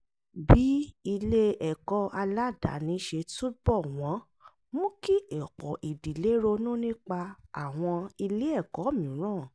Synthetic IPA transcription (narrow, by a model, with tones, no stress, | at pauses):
bi˨˦i˧le˦ɛ˨kɔ˦ʔa˧la˦da̰˨˦nĩ˨˦ʃe˧to˦bɔ˦˨w̃ɔ̃˨˦ | mũ˦ki˦ɛ˨k͡pɔ˨ʔi˨di˨le˨˦ɾo˧nũ˦nĩ˦k͡pa˧a˨w̃ɔ̃˧i˧le˦ɛ˦˨kɔ˨˦mĩ˨˦ɾ̃ã˦˨